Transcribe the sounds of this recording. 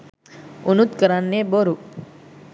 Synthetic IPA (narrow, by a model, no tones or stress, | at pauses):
unut̪kəɾanːebəɾu